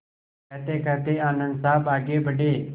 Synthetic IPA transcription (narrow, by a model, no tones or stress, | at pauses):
ɛt̪eːkət̪eːaːnə̃nd̪saːbaːɡeːbəɖeː